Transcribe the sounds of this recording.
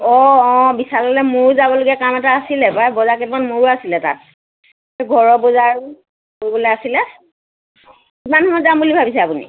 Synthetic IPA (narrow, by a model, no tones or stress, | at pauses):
ɔɔ̃bisalɔlɛmoɹzabɔloɡiakamɛtaːsilɛpajbɔzaketmanmoɹuasilɛta̰t̚ | ɡʱɔɹɔbɔzaɹ | koɹibɔlɛasilɛ | imanhɔmɔjdambulibʱabisɛapunḭ